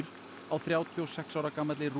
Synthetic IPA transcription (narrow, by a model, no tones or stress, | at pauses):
ɾ | awθɾjaːwt̪ʰːɔsɛksawɾakaːmat̪lɪr